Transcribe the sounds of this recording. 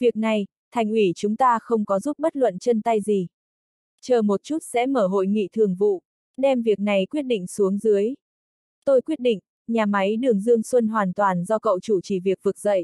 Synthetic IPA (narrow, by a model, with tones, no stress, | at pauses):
vi˨˩ək̚na˨˩j | t̪ʰa˨˩jŋ̟ʔwi˧˩t͡ɕʊ˨˦ŋ͡mt̪aː˧xə˧wŋ͡mkɔ˨˦zu˦˥p̚ɓə˦˥t̚lwə̰˧˨nt͡ɕə˧nt̪a˧jzi˨˩ | t͡ɕəː˨˩mo˨˩t̚t͡ɕu˦˥t̚sɛ̰˧˥məː˧˩ɦo̰˧˨jŋḭ˧˨t̪ʰɨ˨˩əŋvṵ˧˨ | ɗɛ˧mvi˨˩ək̚na˨˩jkwi˦˥ət̚ɗḭ˧˨ŋ̟su˨˦əŋzɨ˨˦əj | t̪o˧jkwi˦˥t̚ɗḭ˧˨ŋ̟ | ɲaː˨˩ma˨˦jɗɨ˨˩əŋzɨ˧əŋswə˧nɦwaː˨˩nt̪waː˨˩nzɔ˧kə̰˧˨wt͡ɕu˧˩t͡ɕi˧˩vi˨˩ək̚vɨ˨˩k̚z̥ə̰˧˨jʔ